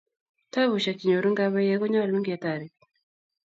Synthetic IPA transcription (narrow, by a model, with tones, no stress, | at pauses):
ta˦βu˨ʃa˨ki˨ɲɔ˨ɾu˦ŋɡa˦βa˦jɛ˦ɣɔ˦ɲa˦a˨lu˦ŋɡia˨ta˨ɾi˨